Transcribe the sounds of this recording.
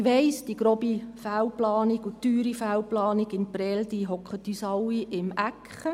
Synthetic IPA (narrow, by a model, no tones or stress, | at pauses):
ʋɛɪsd̥iɡ̥ɾoːbifæwplɑːniɡʊtyːɾifæwplɑːniɡɪnpɾɛld̥iɦɔkχət̪ːysɑwiʔɪmækχə